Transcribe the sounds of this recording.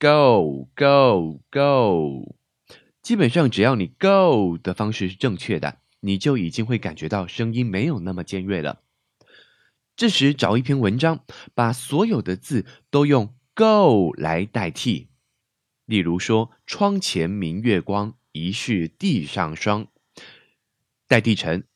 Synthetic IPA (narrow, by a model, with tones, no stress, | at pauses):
ko˥˨˩ʊko˥˨˩ʊko˥˩ʊ | t͡ɕi˥pə˨˩nʂɑ˥˩ŋʈ͡ʂɻ̩˨˩jɑ˥˩ʊni˨˩ko˥˩ʊd̪̥ə˩fɑ˥ŋʂɻ̩˥˧ʂɻ̩˥˧ʈ͡ʂɤ˥˧ŋt͡ɕʰɥɛ˥˩d̪ə̰˩ | ni˨˩t͡ɕjo˥˩ʊi˨˩t͡ɕi˥ŋxwe˥˩ɪka̰˨˩nt͡ɕɥɛ˧˥t̪ɑ˥˩ʊʂɤ˥ŋi˥nme˧˥ɪjo˨˩ʊna˥˩mə˩t͡ɕjɛ˥˧nɻe˥˩ɪlə̰˩ | ʈ͡ʂɻ̩˥˩ʂɻ̩˧˥ʈ͡ʂɑ˨˩ʊi˥˩pʰjɛ˥nwə˧˥nʈ͡ʂɑ˥ŋpa˨˩swɔ˧˥jo˨˩ʊd̪ə˦t͡sɹ̩˥˩t̪o˥ʊjʊ˥˧ŋ | ko˥˩ʊla̰˧˥ɪt̪a˥˧ɪt̪ʰi˥˩ | li˥˩ɻu˧˥ʂwɔ˥ | ʈ͡ʂʰwɑ˥ŋt͡ɕʰjɛ˧˥nmi˧˥ŋɥɛ˥˩kwɑ˥ŋ | i˧˥ʂy˥˧t̪i˥˧ʂɑ̰˥˨˩ŋʂɑ˥ŋ | t̪a˥˧ɪt̪i˥˩ʈ͡ʂʰə˧˥ŋ